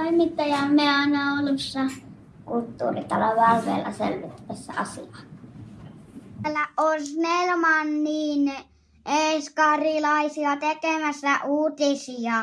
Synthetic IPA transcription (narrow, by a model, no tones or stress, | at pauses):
oimit̪ːɑjɑmeɑˑinɑolːusːɑ | kult̪ːṵːrit̪ɑloʋɑˑʋʋˑḛːlːɑ̰sḛlʋit̪ːæʋesːæ̰ɑsiɑ | lːæʔosnelmɑnniːn | eskɑrilɑisiɑt̪ekemæsːæʔuːt̪isiɑ